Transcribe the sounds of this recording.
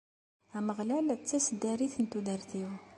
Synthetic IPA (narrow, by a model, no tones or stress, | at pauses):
æməʁlælt͡sːæsd̪æɾiθənt̪ud̪əɾθiw